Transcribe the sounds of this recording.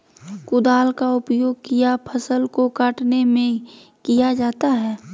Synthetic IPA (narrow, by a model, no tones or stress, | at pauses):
kʊd̪aːlkaʊpjoːɡ̚kijapʰəsəlkokaːʈnemẽ | kijad͡ʒaːt̪aɦɛː